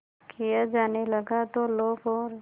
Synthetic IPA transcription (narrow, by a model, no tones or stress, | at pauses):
kʰijad͡ʒaːnelɐɡat̪oloːɡɔːɾ